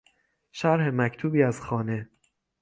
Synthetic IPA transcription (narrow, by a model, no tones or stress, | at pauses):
ʃæɾhemæcʰt̪ʰuːbiːæzxɒːne̞